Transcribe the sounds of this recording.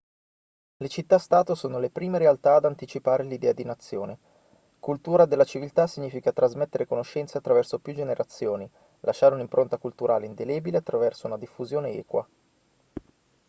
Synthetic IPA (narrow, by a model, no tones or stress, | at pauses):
let͡ʃit̪ːast̪aːt̪osoːnolepɾiːmeɾealt̪aːd̪ant̪it͡ʃipaːɾelid̪ɛːad̪inat̪sːjoːne | kult̪uːɾad̪elːat͡ʃivilt̪asiɲːiːfikat̪ɾazmet̪ːeɾekonoʃːɛnt̪seat̪ːɾavɛrsopjud͡ʒeneɾʔat̪sːjoːni | lʔaʃːaːɾeunimpɾʔont̪akult̪uɾʔa̰ːleind̪eleːbileat̪ːɾavɛrsounad̪ifːuzjoːneɛ̰ːkwa